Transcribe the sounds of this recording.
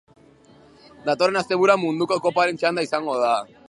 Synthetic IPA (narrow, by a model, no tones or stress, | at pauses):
d̪at̪oɾenast̪e̞βuɾamund̪uko̞ko̞paɾe̞nt͡ʃand̪aisaŋɡo̞ð̞a